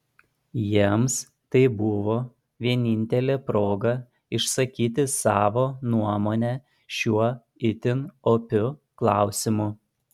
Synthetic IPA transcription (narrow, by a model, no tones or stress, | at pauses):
jiɛms | t̪ɐɪbʊʋoː | ʋʲiɛnʲɪnʲt̪ʲɛlʲeːpɾoːɡɐ | ɪʃsɐkʲiːt̪ʲɪsɑːʋoːnuɔmoːnʲæ | ʃʲuɔ | ɪt̪ʲɪnoːpʲʊ | klˠɑˑʊsʲɪmʊ